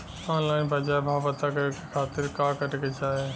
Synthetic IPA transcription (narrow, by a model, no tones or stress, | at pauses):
ãːlaːĩbʱɐd͡ʒaːebʱaːpət̪akɐjokikʰaːt̪ɪɾkaːkɐʈket͡ʃaːɦeː